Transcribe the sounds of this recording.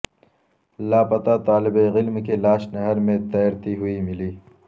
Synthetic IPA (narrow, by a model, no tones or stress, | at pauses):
laːpɐt̪at̪aːlɪbeɣɪlmkelaːʃnɐɦɐɾmẽt̪ɐjɾt̪iɦuimiliː